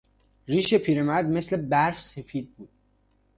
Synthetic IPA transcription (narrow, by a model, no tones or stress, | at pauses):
riːʃepʰiːɾemæd̪me̞slebæɾfse̞fiːd̪̚buːd̪̥̚